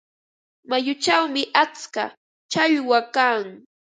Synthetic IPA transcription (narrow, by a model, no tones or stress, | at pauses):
majʊt͡ʃawmɪʔat͡ska̰ | t͡ʃaʎwakaŋ